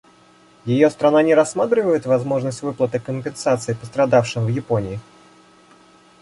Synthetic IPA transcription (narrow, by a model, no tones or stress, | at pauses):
jɪjo̞st̪ɾɐnanʲɪɾɐsːmat̪̬ɾʲɪvəjɪt̪vɐzmo̞ʐnəsʲtʲvɨplˠət̪ɨkəmʲpʲɪnsat̪sɨɪpəst̪ɾɐd̪afʂɨmvjɪponʲɪɪ